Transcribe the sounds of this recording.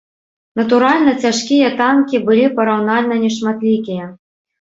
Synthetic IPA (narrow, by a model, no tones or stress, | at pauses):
nɐt̪uɾalʲnɐt͡sʲaʂkʲijɐt̪ankʲibɨlʲipɐɾawnalʲnɐnʲɛʂmat̪lʲikʲijɐ